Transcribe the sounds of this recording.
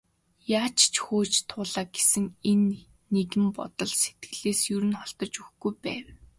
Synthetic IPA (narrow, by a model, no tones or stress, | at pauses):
jaːt͡ɕʰt͡ɕʰxoːt͡ɕt̪ʰʊːɮaːɡesɘ̆ŋenː | eɣɘ̆mpɔ̰t̪ɞ̆ɮse̥t̪̚ɡɘ̆ɮeːsjɵɾɘ̆nχɔɬt̪ɞ̆t͡ɕuxɡujpæ̰ːw